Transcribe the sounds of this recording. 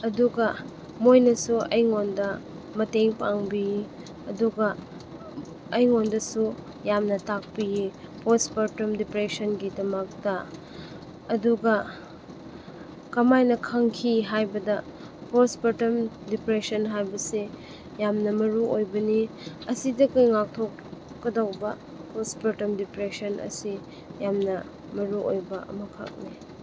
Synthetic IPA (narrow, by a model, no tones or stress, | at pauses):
ɐduɡɐ | mojnɐsuɐjŋondɐ | mɐteŋpaŋbi | ɐduɡɐ | ɐjŋondɐsu | jamnɐtak̚pijipospɐɾtɐmdipɾesɐnɡidɐmɐk̚tɐ | ɐduɡɐ | kɐmajnɐkʰaŋkʰiɦajbɐdɐ | pospɐtɐmdipɾesɐnɦajbɐse | jamnɐmɐɾuojbɐni | ɐsidɐkɐjŋak̚tʰokː | ɐdawbɐ | pospɐɾtɐmdipɾesɐnʔɐ̰si | jamnɐ | mɐɾuʔojbɐʔɐ̰mɐkʰa̰k̚ni